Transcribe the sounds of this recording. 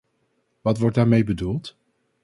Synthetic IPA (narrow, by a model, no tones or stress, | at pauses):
ʋɑtʋɔɹt̚daːɹmejbədulˠt